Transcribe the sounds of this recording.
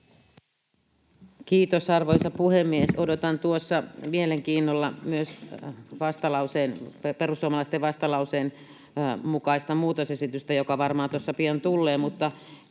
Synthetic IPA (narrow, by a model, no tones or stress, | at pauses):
kiːt̪osɑrʋojsɑpuhemːiesodot̪ɑnt̪uosːɑmieleŋkiːnːolːɑmyøsʋɑst̪ɑlɑuseːnpe̞rusːuomɑlɑist̪eʋʋɑst̪ɑlɑwseːn | mukɑist̪ɑmuːt̪osesit̪yst̪æjokɑʋɑrmɑːt̪uosːɑpiɑnt̪ulːeːmut̪ːɑ